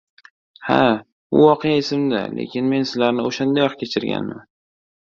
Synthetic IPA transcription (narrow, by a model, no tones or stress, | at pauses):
ha̰ | bʊ̰wɒqʰejaɪsɪmd̪a̰lʔḛkʲɪnme̞nsɪzlaɾnɪoʃand̪ajɒqkʲʰet͡ʃʰɪɾɡʲa̰nman